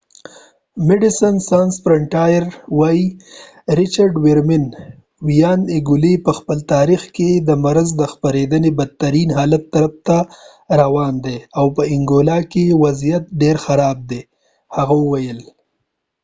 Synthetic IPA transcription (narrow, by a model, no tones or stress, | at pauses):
mɪɖɪsənsansfɾaɳʈajɾwɑji | ɾɪt͡ʃaɾɖwɪɾmɪn | wijɑnɪɡʊlipəxpəlt̪ɑːɾixked̪əmaɾazd̪əxpaɾed̪ənebad̪̚t̪aɾinɦɑːlat̪ːaɾaft̪a | ɾawɑnd̪eawpəɪŋɡolɑkewazijat̪̚ɖeɾxaɾɑb̚d̪e | haɣawəwajəl